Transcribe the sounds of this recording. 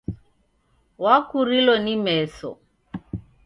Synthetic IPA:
wakuɾilɔnimɛsɔ̰

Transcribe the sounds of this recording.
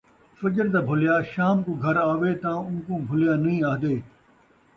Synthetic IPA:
fɐd͡ʒəɾt̪̬aːbʱʊljaːʃaːmkũːɡʱɐɾaːʋeːt̪ɐãːʊ̃nkũːbʱʊljaːnɐĩːaːɦd̪eː

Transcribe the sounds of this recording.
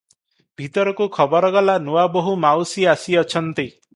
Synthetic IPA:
bʱit̪ɔɾɔkukʰɔbɔɾɔɡɔlanuwaboɦumawsiasiɔt͡ʃʰɔnt̪i

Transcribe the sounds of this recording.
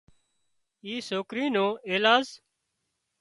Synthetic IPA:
iːsoːkɾiːnõːeːlaːz

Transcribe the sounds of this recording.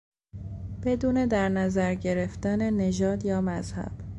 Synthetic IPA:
b̥e̞d̪uːne̞d̪æɾnæzæɾɟe̞ɾe̞ft̪ænene̞ʒɒːd̪jɒːmæzhæ̰b̥

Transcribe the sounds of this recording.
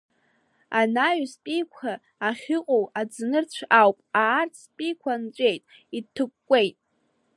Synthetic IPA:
anaɥspʼijkʷʰaː | χʲɪqʼowad͡znɨrt͡ɕʷʰawpʼaːrt͡sʰspʼikʷʰant͡ʃʷʼe̞jtʼ | itʰɨkʷʼkʷːʼejtʼ

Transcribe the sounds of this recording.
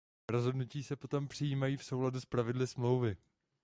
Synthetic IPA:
ɾozɦo̞dnuciːsɛpo̞t̪o̞mpr̝̥ɪjiːmajiːfsowladuspɾavɪdlɪsmlo̞wvɪ

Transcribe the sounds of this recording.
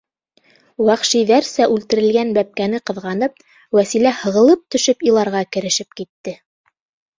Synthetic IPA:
wɑχʃiðæɾsæʔʉlt̪ɘ̆ɾɘ̆lɡænbæp̚kænɘqɤ̆ðʁɑnɤp̚ | wæsilæhɤ̆ʁɤ̆lˠɤp̚t̪ɵ̆ʃɵpilˠɑɾʁɑkɘ̆ɾɘ̆ʃɘp̚kit̪ːɘ

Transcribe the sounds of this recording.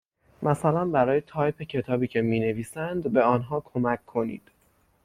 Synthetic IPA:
mæsælænbæɾɒːjet̪ʰɒːjpʰecʰe̞t̪ʰɒːbiːcʰe̞miːne̞viːsænd̪be̞ɒːnɦɒːkʰo̞mæcʰːo̞nḭːd̪̥

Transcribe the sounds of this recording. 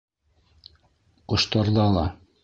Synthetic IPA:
qŏʃt̪ɑɾðɑlˠɑ

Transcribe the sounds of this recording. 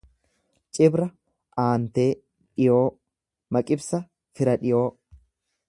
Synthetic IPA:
t͡ʃʼɪbɾɐ | ʔaːnt̪e̞ː | ᶑɪjoː | mɐkʼɪbsɐ | fɪɾɐᶑɪjo̞ː

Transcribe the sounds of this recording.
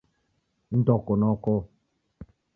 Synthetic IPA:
n̩dɔkɔnɔkɔ

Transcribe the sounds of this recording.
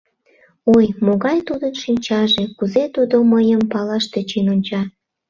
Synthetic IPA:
ojmoɣɑjt̪ud̪ənʃinʲt͡ɕɑʒekuzet̪ud̪oməjəmpɑlɑʃt̪et͡ɕinonʲt͡ɕɑ

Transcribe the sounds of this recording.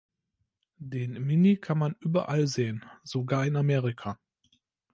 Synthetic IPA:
deːnmɪnikʰanmanʔyːbɐʔalzeːənz̥oɡaːɐɪnameːʁɪkʰaː

